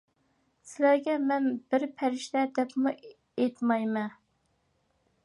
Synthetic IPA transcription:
sɪlæɾɡʲɛmɛnbɪɾpʰæɾɪʃt̪ɛd̪ɛpmu | et̪mɑjmɛn

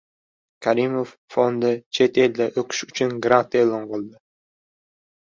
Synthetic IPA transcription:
kʰaɾimofːond̪ɪt͡ʃʰe̞t̪ʰe̞ld̪aʔɵkʰʲɪ̥ʃʊt͡ʃʰʊnɡɾat̪eːlˠɒnqɨlˠd̪ɪ

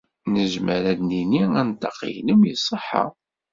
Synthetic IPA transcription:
nəʒməɾæd̪niniænt̪ːɑqːḭjnəmjəsˤːəħːə̰

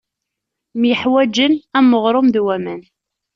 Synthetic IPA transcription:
mjəħwæd͡ʒːənæmːəʁɾˤomðwæmæn

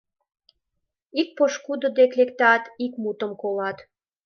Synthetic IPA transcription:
ik̚poʃkud̪od̪eklekt̪ɑt̪ikmut̪əmkolɑt̪

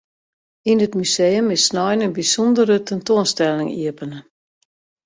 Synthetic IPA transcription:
inətmyseːəmɪsnɔjnənbisɔndəɾətɛntoənstɛlɪŋḭəpənə

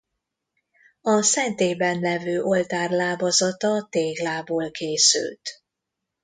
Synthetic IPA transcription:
ɒsɛnt̪eːbɛnlɛvøːʔo̞lt̪aːrlaːbɒzɒt̪ɒt̪eːɡlaːboːlkeːsy̰lt̪

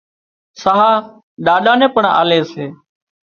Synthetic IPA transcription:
saɦaː | ɗaːɗaːnẽːpəɳa̰ːleːseː

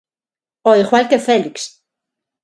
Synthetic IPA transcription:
oixwalkefeliks

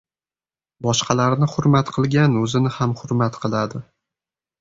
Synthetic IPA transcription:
bɒʃqʰɑlaɾnɪhʊɾmat̪qʰɨlˠɡʲanɵzɪnɪhamhʊɾmat̪qʰɨlˠad̪ɪ

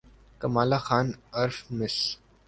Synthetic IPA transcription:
kɐmaːlaxaːnɐɾfmɪs

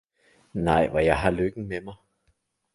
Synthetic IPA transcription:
nɑ̈ɪ̰ʋɒjɑ̈ɪɦɑ̈løɡ̥n̩memɑɪ

